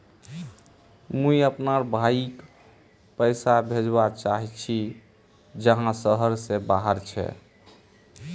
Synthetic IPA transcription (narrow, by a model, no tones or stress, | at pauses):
mũiəpnaɾbʱaik | pəjsabʱed͡ʒbat͡ʃaɦit͡ʃʰi | d͡ʒəɦãsəɦəɾsebaɦəɾt͡ʃʰɛ̰